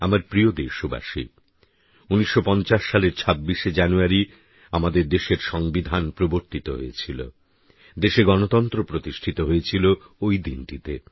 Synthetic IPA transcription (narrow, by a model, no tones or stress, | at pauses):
amaɾpɾiod̪eɾʃuba̰ʃḭ | uniʃːopɔnt͡ɕaʃːaleɾt͡ɕʰabːiʃed͡ʑanuaɾi | amad̪eɾd̪eʃeɾʃɔŋbid̪ʱanpɾoboɾt̪it̪oɦo̰et͡ɕʰilo̰ | d̪eʃeɡɔnot̪ɔnt̪ɾopɾot̪iʃʈʰit̪oɦoet͡ɕʰilo | ojd̪inʈit̪e